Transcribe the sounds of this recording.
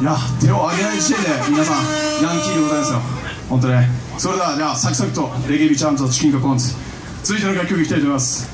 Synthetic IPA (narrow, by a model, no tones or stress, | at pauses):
jat̪ʰe̞oaɡʲenaid͡ʑit̪ed̪e̞mʲinasãɾãŋkʲiɡ̪emoãjd̪esɨjo | hõnt̪̬oɲe | soɾed̪ad͡ʑasakʲi̥sakɯ̟̥t̪o̞ɾe̞ɡʲebʲit͡ɕãnzɨat͡ɕi̥kʲĩŋkakõnsɨ̥ | t͡sɨzɨit̪enoɡakːʲokɯeikʲit̪ait̪omejmasɨ̥